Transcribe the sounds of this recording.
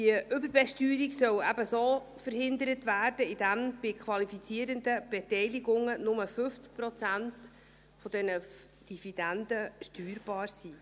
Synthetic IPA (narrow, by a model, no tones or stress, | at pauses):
tiəʔʏbəɾbɛʃtyːɾiɡsœwæbəsoː | fəɾhɪndəɾətvæːrd̥əidæmb̥ɪkʰʋɑlifit͡siəɾəndəb̥ɛtɛjliɡʊŋənʊməfʏft͡sk̚prɔt͡sænt | fɔdɛnə | d̥iv̥id̥ændəʃtyːɾbɑːrsiː